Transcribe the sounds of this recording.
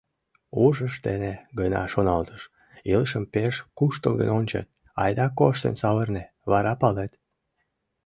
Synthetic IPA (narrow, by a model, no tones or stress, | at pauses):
uʒəʃd̪eneɣənɑ̰ʃonɑlt̪əʃ | iləʃəmpeʃkuʃt̪əlˠɣə̰nonʲt͡ɕə̰t̪̚ | ɑ̰jd̪ɑkoʃt̪ə̰nsɑβərne | βɑɾɑpɑlet̪